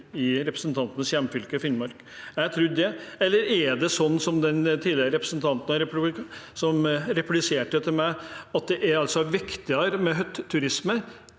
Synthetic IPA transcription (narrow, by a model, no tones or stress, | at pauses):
ɪɾɛpɾəsn̩t̪ʰɑnt̪ənəsjæmːfʏlkəfɪnmɑɾk | jæɪt̪ʰɾʉd̪ɛɛlːəɾæɖ̪ɛsɔnːsɔmd̪ɛnt̪ʰiːd̪ɪɾəɾɛpɾəsnt̪ʰɑnt̪ənɑɾɛpsɔmɾɛplɪseːʈət̪ʰɪlmæɪɑt̪̚d̪ɛʔæɾɑlsɔʋɪkt̪ɪəɾmɛɦœt̪ʰːʉɾɪsmə